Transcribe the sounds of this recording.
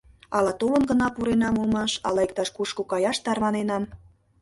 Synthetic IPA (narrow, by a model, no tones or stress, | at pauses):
ɑlɑt̪oβə̆nɡənɑpuɾenɑmolmɑʃɑ̰lɑek̚t̪ɑʃkuʃkokɑjɑʃt̪ɑrmɑnenɑm